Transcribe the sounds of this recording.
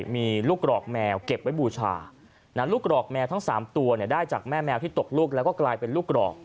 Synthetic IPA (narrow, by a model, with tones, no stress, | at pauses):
miː˧luː˥˩k̚ɾɔː˨˩k̚mɛː˧wke˨˩p̚wa˦˥jbuː˧t͡ɕʰa̰ː˧ | na˦˥luː˥˩k̚ɾɔː˨˩k̚mɛː˧wt̪ʰa˦˥ŋsaː˩˦mt̪u˧ɐni˥˩ɐdaː˥˩jt͡ɕaː˨˩k̚mɛː˥˩mɛː˧wt̪ʰiː˥˩t̪o˨˩k̚luː˥˩k̚lɛː˦˥wkɔː˥˩klaː˧jpe˧nluː˥˩k̚ɾɔ̰ː˨˩k̚